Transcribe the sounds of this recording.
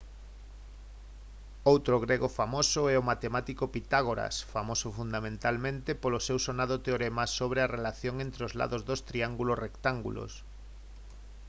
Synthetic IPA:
owt̪ɾoɣɾeɣofamosʊɛomat̪emat̪ikopit̪aɣ̞oɾa̰sfamosʊfund̪amẽnt̪almẽnt̪epolosewsonaðot̪eoɾemasoβ̞ɾearelaθjoŋent̪ɾeozla̰ðozðost̪ɾiaŋɡulosrekt̪aŋɡṵlo̰s

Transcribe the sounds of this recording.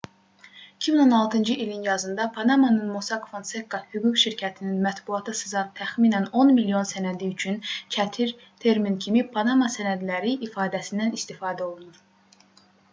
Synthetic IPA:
icʰimino̞nɑlˠt̪ʰɯnd͡ʒɯʔilinjɑzɯnd̪ɑpʰɑnɑmɑnɯnmosɑkʰovonse̞kːɑhyɡukʃiɾcʰæt̪ʰininmæt̪buɑt̪ʰɯsɯzɑt̪ʰːæxmiːnæno̞nmilijo̞nsænæd̪iyt͡ʃʰynt͡ʃʰæt̪ʰiɾ | t̪ʰe̞ɾmincʰimipʰɑnɑmɑsænæd̪læɾiʔifɑːd̪æsind̪ænist̪ifɑːd̪æo̞lˠunuɾ

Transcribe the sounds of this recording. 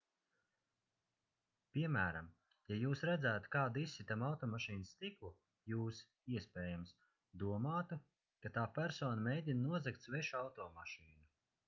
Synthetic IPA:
pʲiɛmæːɾam | jajuːsɾæd̪zæːt̪kaːd̪isːit̪amawt̪ɔːmaʃiːnst̪iklˠu | juːs | iɛspʲɛːjams | d̪uɔmaːt̪u | kat̪aːpæɾsoːnamɛjd̪ʲinnuɔzɛkt̪svɛʃawt̪ɔːmaʃiːnu

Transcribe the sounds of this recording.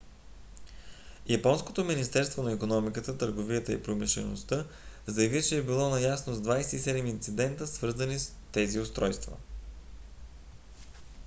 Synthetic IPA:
jɐpɔnskot̪ominist̪ɛɾst̪vonɐikonɔmikət̪ət̪əɾɡovijət̪əḭpɾomiʃlɛ̰nost̪ə | zəjɐvit͡ʃɛːbilˠɔnɐjasnozd̪vajsɛt̪isɛd̪ɛmint̪sid̪ɛnt̪əsvɤɾzənis | t̪ɛziʊst̪ɾɔjst̪və̰

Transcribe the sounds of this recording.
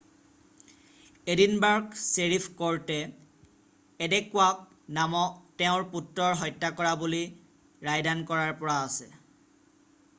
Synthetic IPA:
edinbaɹkseɹipʰkɔɹtɛ | dɛkʊak̚ | namɔk̚tɛʊ̃ɹputɹɔɹɦɔjtːakɔɹabuli | ɹajdankɔɹaɹpɔɹaːsɛ

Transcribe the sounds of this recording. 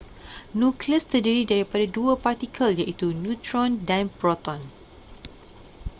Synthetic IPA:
nũkləst̪ərdiɾidaɾipadaduəpart̪ikʰəljaʔit̪unjũt̪ɾɔ̃ndãnpɾɔt̪ɔ̃n

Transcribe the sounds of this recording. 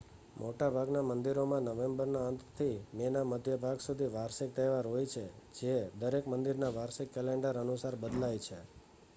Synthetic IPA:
mʔoʈabʱaɡnamənd̪iɾomãnəʋembəɾnaənt̪t̪ʰimenaməd̪ʱjəbʱaɡsud̪ʱiʋaɾsik̚t̪eʋaɾɦojt͡ʃʰed͡ʒed̪əɾekmənd̪iɾnaʋaɾsɪkːɛleɳɖəɾənusaɾbəd̪lajt͡ʃʰe

